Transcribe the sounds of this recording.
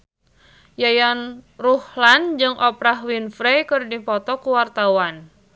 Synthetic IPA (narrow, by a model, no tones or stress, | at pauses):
jajanruhland͡ʒɨŋʔɔpɾahwinfɾɛjkɨrdipɔt̪ɔkuwart̪awan